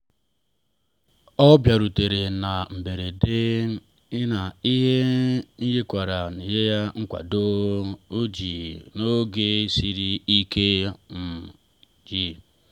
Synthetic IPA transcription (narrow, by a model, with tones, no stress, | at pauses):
ɔ˦bja˨ɾu˨te˨ɾe˨na˨m̩˨be˨ɾe˨de˦ | i˦na˨i˦ɦe˦ni˦je˦kʷa˨ɾa˨ni˨je˦ja˦ŋ̩˦kʷa̰˨do˦u˦d͡ʒi˨no˦ɡe˦si˦ɾi˦i˦ke˦m̩˨ | d͡ʒi˦